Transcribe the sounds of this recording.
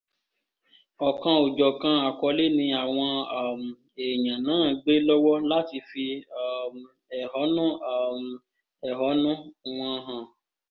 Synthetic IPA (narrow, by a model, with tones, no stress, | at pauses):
ɔ˨kã˧o˨d͡ʒɔ˨kã˧a˨kɔ˧˦le˦nĩ˧a˨w̃ɔ̃˧˨m˨ | e˨jã˨nãː˨˦˨ɡ͡be˦lɔ˦wɔ˦la˦ti˧fi˧˨ | ɛ˨ɦɔ˨˦nũ˦˨ | ɛ˨ɦɔ˨˦nũ˦w̃ɔ̃˧ɦã˨